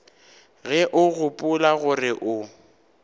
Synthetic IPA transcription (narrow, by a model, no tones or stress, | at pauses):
ɣɛʔʊɣʊpʼʊlaɣʊrɪʔʊ